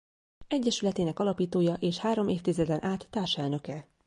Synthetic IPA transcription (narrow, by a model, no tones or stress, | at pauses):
ɛɟːɛʃylɛt̪eːnɛkɒlɒpiːt̪oːjɒʔeːʃhaːɾo̞meːft̪izɛd̪ɛnʔaːt̪ːaːrʃɛlnø̞kɛ